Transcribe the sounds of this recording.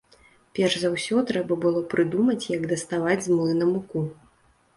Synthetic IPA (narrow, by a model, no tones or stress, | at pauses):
pʲɛrʐzawsʲɔt̪ɾɛbɐbɨlˠɔpɾɨd̪umɐt͡sʲjɐɡd̪ɐst̪avad͡zʲzmlˠɨnɐmuku